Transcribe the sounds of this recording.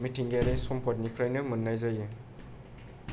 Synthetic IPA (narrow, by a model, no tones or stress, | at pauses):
mitʰiŋɡeɾajsɔmpʰɔt̚nikʰɾajnɯmɯnːajzajɯ